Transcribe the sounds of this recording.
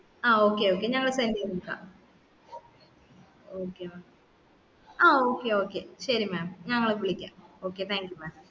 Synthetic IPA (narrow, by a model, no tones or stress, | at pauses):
aːoːkːe̞oːkːeɲɐŋːɐɭsɐndenukːa̰ː | oːkːemaːm | aːoːkːeo̞ːkːeɕɐɾimaːmɲɐŋːɐɭʋiɭikʲːa̰ːmoːkːet̪ʰaːŋkjumaːm